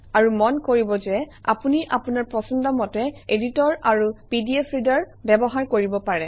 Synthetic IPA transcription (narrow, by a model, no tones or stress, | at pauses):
aɹumɔnkoɹibɔzɛa̰puniʔapunaɹpɹɔsɔndɔmɔtɛeditɔɹaɹupidiepʰɹidɔɹ | bɛbɔɦaɹkoɹibɔpaɹɛ